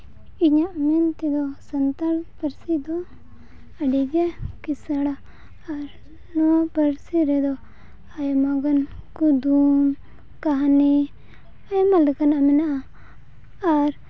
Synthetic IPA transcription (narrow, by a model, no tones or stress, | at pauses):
iɲaʔmɛnt̪ɛd̪ɔsant̪alpəɾsid̪ɔ | əɖiɡɛkisaɽaː | ɾ | nɔapəɾsiɾɛd̪ɔ | ajmaɡankud̪um | kaɦani | ajmalɛkanaʔamɛnaʔa | aɾ